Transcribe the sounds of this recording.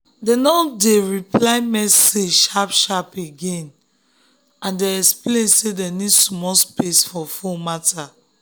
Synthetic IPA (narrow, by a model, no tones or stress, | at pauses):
denɔdeɹiplaɪmɛssed͡ʒʃapʃapeɡẽn | ãndeɛksplẽnsedɛnidsɔmɔspesfɔfumata